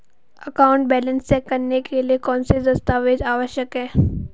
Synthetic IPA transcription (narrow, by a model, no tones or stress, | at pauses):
əkaːʊ̃ɳʈ̚bɛːlə̃nst͡ʃɛːkːɐɾnekeliekɔːnsed̪ɐst̪aːʋed͡ʒaːʋəʃjəkɦɛ̃ː